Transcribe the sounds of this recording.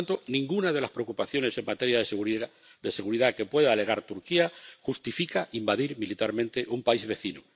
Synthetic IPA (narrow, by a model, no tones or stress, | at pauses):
nt̪onĩŋɡunað̞e̞laspɾe̞okupaθjo̞ne̞se̞ŋmat̪e̞ɾja | d̪ese̞ɣuɾiðake̞pwe̞ðaːle̞ɣ̞aɾt̪uɾkiaxust̪ifikaʔimbaðiɾmilit̪aɾmẽnt̪e̞ʔumpaizβe̞θinu